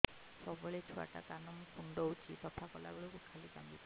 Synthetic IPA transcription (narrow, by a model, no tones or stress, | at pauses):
sɔbɔɭet͡ʃʰua̰ta̰kanɔmkundɔwt͡ʃʰisɔpʰakɔla̰bɔlɔkukʰalika̰mbi